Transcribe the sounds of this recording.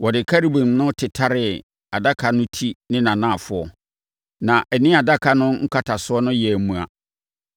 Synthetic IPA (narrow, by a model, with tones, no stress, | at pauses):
wɔ˨dɪ˨kʰa˦ɾi˦bĩ˨m˨˦nʊ̃˦tʰɪ˨tʰa˦ɾɪ˨ | a˨da˦kʰa˨nʊ̃˦tʰi˦nɪ̃˦nã˨nã˦˨fʊ˨ɔ˨ | nã˨ʔɛ˨nɪ̃˦a˨da˦kʰa˨nʊ̃˦ŋ̩˦kʰa˦tʰa˨sʊ˦ɔ˦nʊ̃˦jɛ˨æ˨˦mũ˨a̰˨